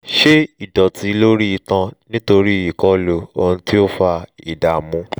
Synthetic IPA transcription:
ʃe˦i˨dɔ˨tʰi˨˧˦lo˦ɾi˦i˧tã˧nĩ˦to˧ɾi˦˨i˨kɔ˦lo˧o˧nũ˧˦ti˦o˦fa˧ḭ˨da˨mũ˧˦

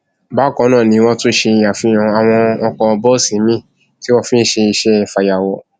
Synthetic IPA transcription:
ba˨˦kɔ̃˨˧˦nãː˦˨nĩ˧˦wɔ̃˦tũ˦ʃe˧i˧ja˨fĩ˨˦ã˧a˨w̃ɔ̃˧ɔ˧kɔ˧bɔ˦˨sĩ˨˦mĩ˦˨ | ti˦wɔ˧fĩ˦ʃe˧i˧ʃɛ˧˦ɛ˧˨fa˨ja˨wɔ˨

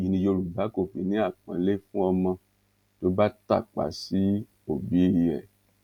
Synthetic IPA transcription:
ji˨nĩ˧jo˧ɾu˨ba˨˦ko˦˨fi˨˦nĩ˨˦a˦˨k͡pã˨˦le˦fũ˦ɔ˧mã˧ | to˨˦ba˦ta̰˦˨k͡pa̰˨˦si˨˦ | o˦˨bi˨˦i˦˨ɛ̰˨

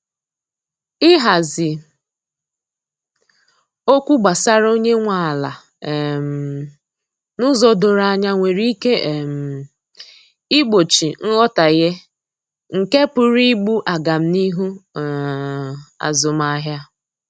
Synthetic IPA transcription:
ɪ˦ɦa˨zɪ˨ | o˦kʷu˦ɡ͡ba˨sa˦ɾo˦ɲe˦ŋʷa˨la˨ | m˨ | nʊ˦zɔ˨do˨ɾa˦˨ɲa˦ŋʷe˨ɾi˦ke˦˨m˨ | i˦ɡ͡bo˨t͡ʃi˨n̩˦ɣɔ˦ta˨ɣe˦ | ŋ̩˨ke˦pʊ˨ɾi˦ɡ͡bu˦ʔa˨ɡa˨m̩˦ni˦ɦu˦˨ | a̰˨zʊ˨m˦a˦ɦja˦

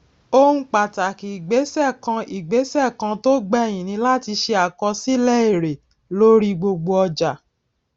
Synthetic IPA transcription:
o˧hũ˧k͡pa˨ta˨ki˨i˨ɡ͡be˨˦sɛ˦˨kã˧i˨ɡ͡be˨˦sɛ˦˨kã˧to˦ɡ͡bɛ˦˨j̃ĩ˨nĩ˧˦la˦ti˧ʃe˧a˨kɔ˧si˦lɛ˦e˦˨ɾe˨ | lo˦ɾi˦ɡ͡bo˧ɡ͡bo˧ɔ˧d͡ʒa˨

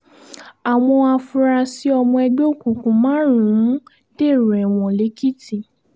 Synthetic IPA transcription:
a˨w̃ɔ̃˧a˧fũ˧ɾa˧si˦ɔ˧mɔ̃˧ɛ˧ɡ͡bo˦˨kũ˨kũ˨˦mãː˦ɾũ˨ũ˦ | d̥e˦˨ɾɛ˨w̃ɔ̃˨le˨˦ki˦ti˦˨

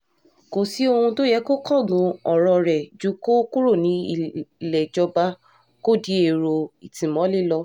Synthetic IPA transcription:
ko˨si˨˦o˧hũ˧to˦jɛ˨˦ko˦kʰɔ˦˨ɡũ˨˧˦ɔ˨ɾɔ˧ɾɛ˨d͡ʒu˨˦ko˦ku˦ɾu˦˨nĩ˨˦i˦˨lɛ˨d͡ʒɔ˧ba˧˦ | ko˦˨di˨˦e˦˨ɾo˧i˨tĩ˨mɔ̃˨˦li˦˨lɔ˧

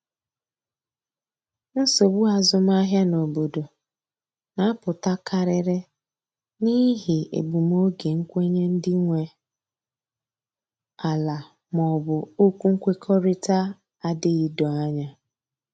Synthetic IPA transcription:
n̩˦so˨bu˦a˨zʊ˦m˦a˦ɦja˦no˨bo˨do˨ | na˨˦a˦pʊ˨ta˦kʰa˨ɾɪ˦ɾɪ˦ | ni˦ɦɪ˨ḛ˨bu˨m˦o˦ɡe˨ŋ̩˦kʷe˦ɲe˦n̩˦dɪ˦ŋʷe˨ | a˨la˨ | mɔ˨bʊ˨o˦kʷu˦ŋ̩˦kʷe˦kʰɔ˦ɾɪ˦ta˦ | a˨dɪ˦ɪ˦dɔ˨a˦ɲa˦

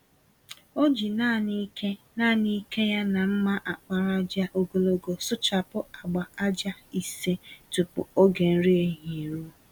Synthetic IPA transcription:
o˦d͡ʒi˨na˦˨ni˦ke˦ | na˦˨ni˦ke˦ja˦na˨m̩˦ma˦ʔa˨k͡pa˨ɾa˦d͡ʒa˦ʔo˦ɡo˨lo˦ɡo˨sʊ˦t͡ʃa˨pʊ˦a˨ɡ͡ba˨a˦d͡ʒa˦i˨se˦tʊ˨pʊ̰˨o˦ɡe˨n̩˦ɾi˦e˦˨ɦi˨e˨ɾu˦

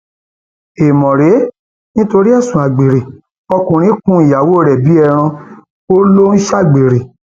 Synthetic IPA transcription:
e˨mɔ̃˨ɾe˨˦ | nĩ˦to˧ɾi˦ɛ˦˨sũ˨a˨ɡ͡be˨ɾe˨ | ɔ˧kũ˨ɾ̃ĩ˦kũ˦i˨ja˨wo˦˨ɾɛ˨bi˨˦ɛ˦˧˨ɾ̃ã˧ | o˦lo˦n̩˦ʃa˦˨ɡ͡be˨ɾe˨

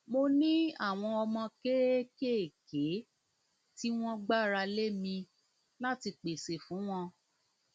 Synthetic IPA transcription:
mo˧nĩ˦a˦˨w̃ɔ̃˧ɔ˧mɔ̃˧ke˦ɾe˦ke˦e˨ke˨˦ | ti˦w̃ɔ̃˦ɡ͡ba˦˨ɾa˧le˦mĩ˧ | la˦ti˧k͡pe˨se˨fũ˨˦w̃ɔ̃˧

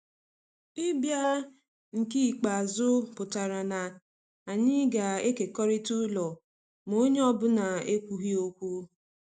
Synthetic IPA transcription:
ɪ˦bja˦ | ŋ̩˨ki˦i˨k͡pa˨zʊ˦pʊ˨ta˨ɾa˨na˨ | a˨ɲɪ˦ɡa˨e˦ke˨kɔ˦ɾi˦tu˦lɔ˨ | mo˦ɲe˦ɔ˦bʊ˦na˨e˦kʷu˨ɦi˦o˦kʷu˦

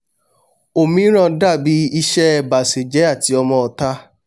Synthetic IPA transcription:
o˨mĩ˨˦ɾ̃ã˦˨da˦˨bi˨˦i˦ʃɛ˦ɛ˧˨ba˨se˨d͡ʒɛ˨˦a˦˨ti˨˧ɔ˧mɔ̃˧ɔ˧ta˦

